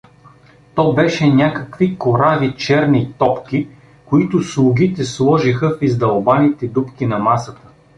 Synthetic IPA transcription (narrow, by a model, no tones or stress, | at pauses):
t̪ɔbɛʃɛnʲakəkvikoɾavit͡ʃɛɾnit̪ɔpkʲi | koit̪ʊslˠʊɡʲit̪ɛslˠɔʒixəfizd̪ɐlˠbanit̪ɛd̪upkʲinɐmasət̪ə̥